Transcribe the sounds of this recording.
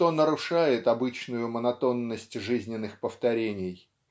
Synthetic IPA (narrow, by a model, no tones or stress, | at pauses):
t̪o̞nəɾʊʂajɪt̪ɐbɨt͡ɕnʊjʊmənɐt̪o̞nːəsʲtʲʐɨzʲnʲɪnːɨxpəft̪ɐɾʲenʲɪj